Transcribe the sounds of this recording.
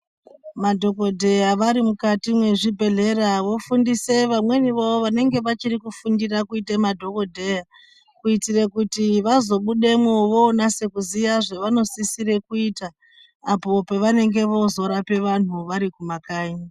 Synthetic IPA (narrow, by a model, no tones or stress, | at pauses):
madʱo̞ko̞dʱe̞jaʋaɾimukatimwe̞ʐibʱe̞ɮe̞ɾaʋo̞fundise̞ʋamwe̞niʋooʋane̞ŋɡe̞ʋat͡ʃirikufundirakuitemadʱo̞ko̞dʱeja | kuitire̞kutiʋazo̞ɓuɗe̞mwoʋoːnase̞kuzijaʐeʋano̞sisire̞kuitaː | po̞pe̞ʋane̞ŋɡe̞ʋo̞zo̞ɾape̞ʋan̤uʋaɾikumakaːji